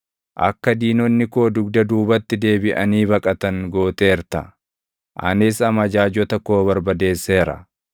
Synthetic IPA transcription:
ʔɐ̰kːɐd̪iːnɔnːɪkoːd̪ʊɡd̪ɐd̪uːbɐt̪ːɪd̪e̞ːbɪʔɐniːbɐkʼɐt̪ɐŋɡoːt̪e̞ːɾt̪ɐ | ʔɐ̰nɪsɐmɐd͡ʒaːd͡ʒɔt̪ɐko̞ːβɐɾbɐd̪e̞ːsːe̞ːɾɐ̰

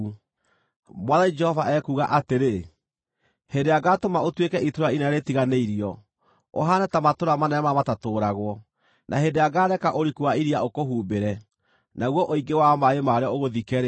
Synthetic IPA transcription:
mwaðaid͡ʒɛhɔvaʔɛkuɣaʔateɾe | hedeaɡatomaotwekɛʔitoɾainaaɾetiɣaneiɾiɔ | o̰ɦanɛtamatoɾamanɛɛmamatatoːɾaɣwɔ | nʔaɦendeaɡaːɾɛkaʔoɾikuaiɾiaokoɦuːbeɾɛ | naɣwɔʔoiɡewamaemaɾeɔoɣoðikɛɾe

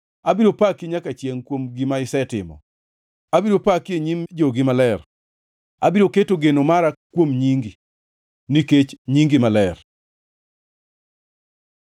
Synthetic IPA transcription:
abiɾopakeɲakat͡ʃjeŋkwomɡimaɪsɛtɪ̰mɔ̰ | abiɾopakjeɲimd͡ʒoɡɪmalɛr | abiɾoketoɡenomaɾakwomɲiŋɡi | niket͡ʃɲiŋɡimalɛr

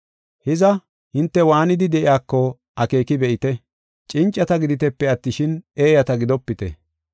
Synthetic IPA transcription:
hɪzɐ | hɪnt̪ːɛwaːnɪd̪ɪd̪ɛʔɪaːkːɔ | ɐke̞ːkɪbɛʔɪt̪ɛ | t͡ʃʼɪnt͡ʃʼːɐt̪ɐɡɪd̪ɪt̪ɛpːɛɐt̪ːɪʃɪne̞ːjɐt̪ɐɡɪd̪ɔpːɪt̪ɛ̰

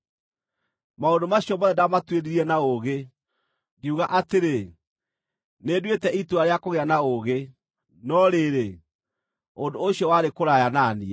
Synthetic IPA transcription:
maondomaɕijɔmɔðɛdamatweɾiɾiɛnaoɣe | ɡeuɣaʔateɾe | nedwetɛʔituaɾeakoɣeanaoɣe | nɔɾeːɾe | ondoːɕiɔwaɾekoɾajananiɛ

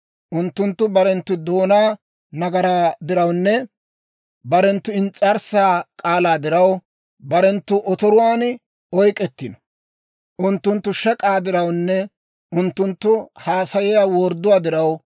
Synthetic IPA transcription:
ʔʊnt̪ːʊnt̪ːʊbɐɾɛnt̪ːʊd̪o̞ːnaː | nɐɡɐɾaːd̪ɪɾɐwnːɛ | bɐɾɛnt̪ːʊɪnt͡sʼːɐɾsaːkʼaːlaːd̪ɪɾɐw | bɐɾɛnt̪ːʊʔɔt̪ɔɾʊwaːn | ɔjkʼɛt̪ːɪnɔ̥ | ʔʊnt̪ːʊnt̪ːʊʃɛkʼaːd̪ɪɾɐwnːɛ | ʔʊnt̪ːʊnt̪ːʊhaːsɐjɪjaːwɔɾd̪ʊwaːd̪ɪɾɐw

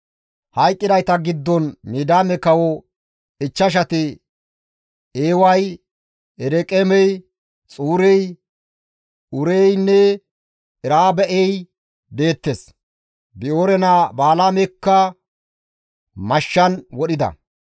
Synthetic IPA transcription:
hɐjkʼːɪd̪ɐjt̪ɐɡɪd̪ːɔnmiːd̪aːmɛkɐwɔ | ɪt͡ʃːɐʃ̬ɐt̪ɪ | eːwɐj | ɛɾɛkʼɛmɛj | t͡sʼuːɾɛj | ʊɾɛjnːɛ | ɛɾaːbɛʔɛj | d̪e̞ːt̪ːes | bɪoːɾɛnabaːlaːmɛkːɐ | mɐʃːɐnwɔɗɪd̪ɐ̰

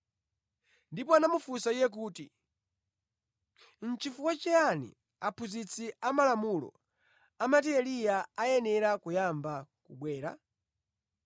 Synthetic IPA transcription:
ndipɔanamufusaijɛk̬uːtḭ | n̩t͡ʃifuwat͡ʃɛanḭ | apʰuzit͡sʰiamalamulɔ̰ | amatiɛlijaajɛnɛɾakujambakuɓwɛːɾa̰

